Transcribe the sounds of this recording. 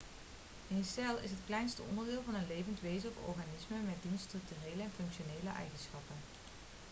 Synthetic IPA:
ɪnsɛlˠɪ̰s̬ɦətklɛjnstəʔɔ̰ndəɹdɪːlˠvɑnənlejvəntʋejzənɔfɔ̰ɹχanɪsməmɛd̚dinstrʏk̚tyrejləɛnfɵŋkʃoneːləʔɛ̰jχənsχɑpən

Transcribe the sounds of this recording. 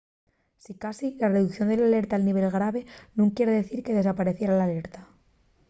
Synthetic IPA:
sikasilareðukθjo̞nd̪e̞lale̞ɾt̪aːlniβ̞e̞lɣɾaβ̞e̞nũŋkje̞ɾeðe̞θiɾke̞ðe̞s̬apaɾe̞θjeɾalale̞ɾt̪a

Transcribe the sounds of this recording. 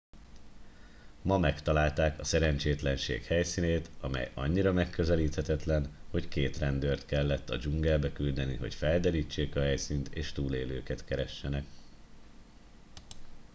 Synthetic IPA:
mɒmɛkt̪ɒlaːlt̪aːkɒsɛɾɛnt͡ʃeːt̪lɛnʃḛːkhɛjsiːneːt̪ɒmɛ̰jɒ̰ɲːiɾɒmɛkːø̞zɛliːt̪hɛt̪ɛt̪lɛnho̞ckeːt̪rɛnd̪øːrt̪kɛlːɛt̪ːɒ̰d͡ʒuŋɡɛlbɛkyld̪ɛnḭɦo̞̰cfɛld̪ɛɾiːt͡ʃːeːkɒɦɛjsiːnt̪eːʃt̪uːleːlø̰ːkɛt̪kɛɾɛʃːɛnɛk

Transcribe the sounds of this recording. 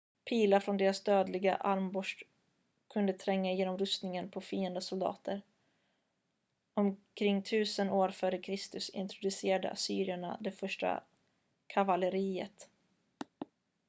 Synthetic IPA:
pʰiːlafɾɔnd̪eːɾasd̪øːd̪lɪɡa̰ʔaɾmbɔʂ | kʰɵnd̪ət̪ʰɾɛŋːajeːnɔmɾɵst̪nɪŋənpʰɔfiːənd̪əsʊld̪ɑ̰ːt̪ʰəɾ | ɔmkʰɾɪŋːt̪ʰʉ̟ːsənoːɾfœːɾəkʰɾɪst̪ɵsɪ̰nt̪ɾʊd̪ɵseːɾad̪ə̰ʔa̰syːɾɪaɳa̰d̪ɛfœʂʈa̰ | kʰavaləɾiːə̰t̪

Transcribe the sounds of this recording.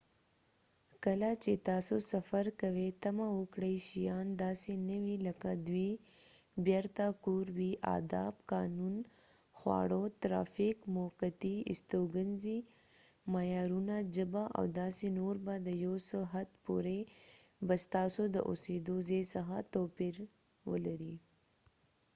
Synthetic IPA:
kəlat͡ʃet̪ɑːsosɐfaɾkɐwet̪amawʊkɽəjʃijɑːnd̪ɑːsenəwilɐkad̪wi | bjaɾt̪akoːɾwiʔa̰d̪ɑ̰ːbkɑnunxwɑ̰ɽot̪ɾa̰fɪkmoqat̪iɪ̰st̪oɡənzi | majɑːɾunad͡ʒəbaʔa̰wd̪ɑːsenoɾbad̪əjosəɦat̪pṵɾebast̪ɑːsod̪ə̰ʔṵsed̪ozesaxa̰t̪opiɾ | wə̰laɾi

